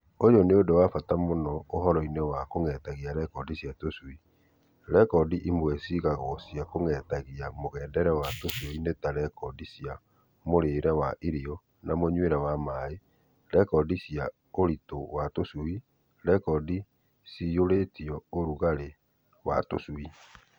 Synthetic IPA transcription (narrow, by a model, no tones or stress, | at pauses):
ojɔneodowafatamonɔoɦɔɾɔinewakoŋɛtaɣiaɾɛkɔdisjatosui | ɾɛkɔdiʔimwɛsiɣaɣɔsjakoŋɛtaɣiamoɣɛːdɛɾɛwatosuɔinetaɾɛkɔdisja | moɾeɾɛwaʔiɾiɔ | namoɲweɾɛwamae | ɾɛkɔdisja | oɾitowatosui | ɾɛkɔdi | sioɾetiɔoɾuɣaɾe | wa̰to̰sui